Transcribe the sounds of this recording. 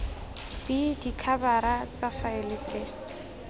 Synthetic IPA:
b̥idikʰabaɾat͡safaelɪt͡sʼeːŋ̩

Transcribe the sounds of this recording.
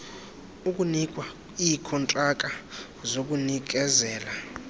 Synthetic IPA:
ukʼunikʼwa | ikʰɔntʼrakʼa | zok̬ʼunik̬ɛzɛːla

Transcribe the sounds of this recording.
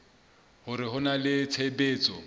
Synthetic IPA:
hʊɾɪɦʊnalɪt͡sʰebeːt͡sʼɔ

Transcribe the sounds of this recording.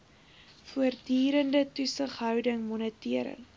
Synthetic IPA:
fuərdyːɾəndətusəχɦœwdəŋmɔnətiəɾə̰ŋ

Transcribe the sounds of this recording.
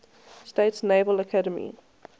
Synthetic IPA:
steɪtsneɪvələkʰaɾəmḭ

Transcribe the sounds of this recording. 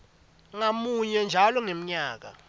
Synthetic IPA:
ŋamuɲɛnd͡ʒʱalɔŋem̩ɲaːk̬a̰

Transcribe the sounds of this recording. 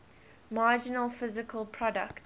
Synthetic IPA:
maːd͡ʒɪnəlˠfɪzɪkʰəlˠpʰɹ̥ɔdə̰kt

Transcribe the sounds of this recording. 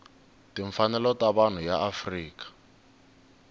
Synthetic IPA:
tiɱfanɛlɔtaβan̤ujaʔafriːkḁ

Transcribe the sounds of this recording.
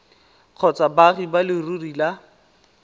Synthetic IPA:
q͡χʰɔt͡sabaχibalɪrurila

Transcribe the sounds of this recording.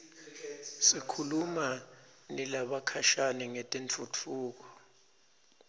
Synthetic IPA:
sikʰulumanilaɓakʰaʃanɛŋɛtʼent͡fʰut͡fʰuːk̬ɔ

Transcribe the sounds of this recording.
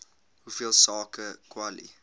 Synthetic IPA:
hufiəlˠsɑːkəkwalḭ

